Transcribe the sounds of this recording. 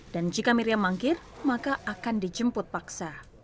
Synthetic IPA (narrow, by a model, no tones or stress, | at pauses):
d̥and͡ʒikamiɾiamaŋkɪr | makaʔakandid͡ʒəmpʊt̪̚paksa